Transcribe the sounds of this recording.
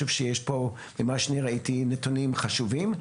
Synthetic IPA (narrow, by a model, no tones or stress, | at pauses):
uvʃejeʃpo | memaʃniʁaitinetonimχaʃuvim